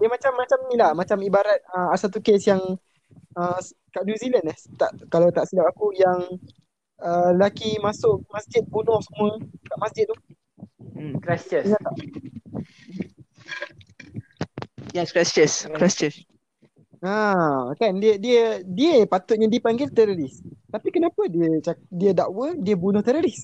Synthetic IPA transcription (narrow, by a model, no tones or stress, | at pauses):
diəmat͡ʃamːat͡ʃamnilamat͡ʃamibaɾat̪̚əasat̪ukesjaŋ | ə | kaʔnjuzilandaht̪aʔkalawt̪aʔsidap̚akujaŋ | əəlakimasʊk̚masd͡ʒɪt̪̚bunʊhsəmuəkaʔmasd͡ʒɪt̪̚ːu | kɾast͡ʃənat̪aʔ | jɛskɾast͡ʃəskɾast͡ʃəs | akandiədiədiəpat̪ʊt̪̚ɲãdiəpaŋɡɪlt̪ɛɾoɾist̪apikənapədiət͡ʃadiədaʔwədiəbunʊht̪ɛɾoɾis